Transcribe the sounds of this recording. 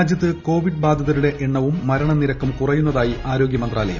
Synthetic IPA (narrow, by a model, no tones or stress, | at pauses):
d͡ʑjɐt̪ːɨko̞ːʋiɖ̚baːd̪ʱːɐðɐɾuɽe̞ʔeɳːɐʋumːɐɾɐɳɐmniɾɐkːɐmkurɐjunːɐðaːjiʔaːɾo̞ːɡjɐmɐnd̪raːlɐjɐ̰m